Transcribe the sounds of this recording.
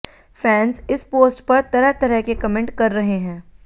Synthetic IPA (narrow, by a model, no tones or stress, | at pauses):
fɛ̃ːnzɪspoːsʈpɐɾt̪ɐɾəɦt̪ɐɾəɦkekɐmẽɳʈkɐɾːɐɦeɦɛ̃ː